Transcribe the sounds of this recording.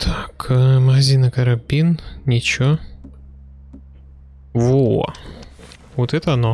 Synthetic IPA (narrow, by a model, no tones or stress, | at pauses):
t̪ʰakəməɣɐzʲinɨkəɾɐbʲinnʲɪt͡ɕo | vo | vot̪ɛt̪əɐno